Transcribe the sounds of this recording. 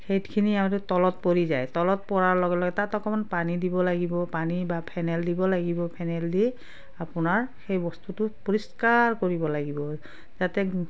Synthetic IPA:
kʰejtkʰiniamatʊtɔlɔt̚poɹizajtɔlɔt̚pɔɹaɹlɔɡɛlɔɡɛtatɔkɔmanpanidibɔlaɡibɔpanibapʰɛnɛldibɔlaɡibɔpʰɛnɛldi | apʊnaɹxejbɔstutʊpoɹiskaɹkoɹibɔlaɡibɔ | zatɛ

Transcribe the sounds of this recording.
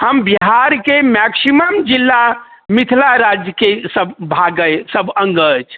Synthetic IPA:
həmbiɦaɾkemɛksiməmd͡ʒilːa | mit̪ʰlaɾad͡ʒjəkesəbbʱaɡəjsəbəŋɡət͡ʃʰ

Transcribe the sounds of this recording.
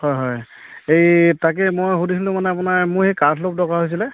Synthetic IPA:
hɔjɦɔj | ejtak̬ɛmojɦudisilʊ̃manɛapunaɹmʊhɛkatʰlop̚dɔkaɦojs̬ilɛ

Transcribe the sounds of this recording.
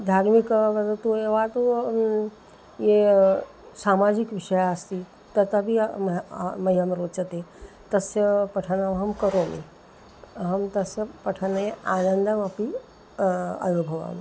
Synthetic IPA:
d̪ʱaːɾmikʋɐd̪ət̪ueʋat̪o | je | saːmaːd͡ʒikʋiʂɐjaːst̪i | t̪ɐt̪ɐbʱi | mɐɦjɐmɾoːt͡ʃɐt̪e | t̪ɐsjɐpɐʈʰɐnaʋɦɐmkɐɾoːmḭ | ɦɐmt̪ɐsjɐpɐʈʰɐnɐjeʔaːnənd̪ɐmɐpi | ɐ̰jobʱɐʋa̰m

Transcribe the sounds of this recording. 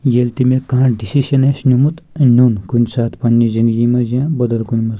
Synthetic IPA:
jelt̪imekãːʈɖisiʃɐnesnʲumut̪nʲunkunʲsaːt̪ʰpɐnːizĩnd̪ɡimɐzãːbɐd̪ɐlkunʲmɐz

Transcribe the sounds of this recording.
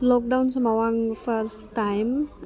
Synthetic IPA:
lɔk̚dawns̬ɔmawaŋfʰəstajm

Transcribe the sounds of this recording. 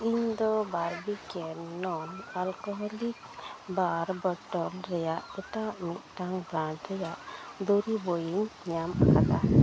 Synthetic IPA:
iɲd̪ɔbaɾbikɛnnɔmalkɔɦɔlik̚ | baɾbɔʈɔlɾɛjaʔɛt̪aʔmit̪̚ˀʈaŋbɾãɳʈɾɛjaʔd̪oɾibojiɲɲama̰kʰat̪a

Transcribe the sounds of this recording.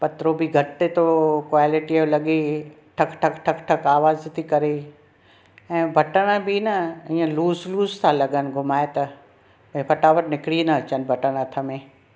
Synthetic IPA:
pɐt̪ɾobʱiɡʱɐʈːet̪okʋaːlɪʈiəʋlɐɠe | ʈʰɐkʈʰɐkʈʰɐkʈʰɐkaːʋaːzt̪ʰikɐɾe | ɛ̃ːbʱɐʈəɽ̃əbʱinɐĩːə̃luːsluːst̪ʰalɐɡənɪ̆ɡʱʊmaːet̪ɐ | bĩpʰɐʈaːʋəɾnɪkɪɽinɐɐt͡ɕənbʱɐʈəɽ̃at̪ʰəmẽ

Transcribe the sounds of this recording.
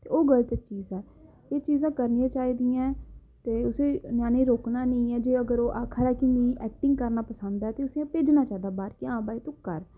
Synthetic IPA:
t̪ḛːoːɡəlt̪ək̚t͡ʃiːzɛː | eːt͡ʃiːzãːkəɾnɪjãːt͡ʃaːiːd̪ijãː | t̪eːʊsẽːnjaːnẽːɾoːknaːnəĩːɛːd͡ʒeːəɡəɾoːʔaːkʰəɾaːkinĩːʔɛːk̚ʈɪ̃ŋɡkəɾnaːpəsə̃nd̪aɛːt̪eːʊseːãpeːd͡ʒnaːt͡ʃaːid̪aːbaːɾkiãːbaːiːt̪õːkəɾ

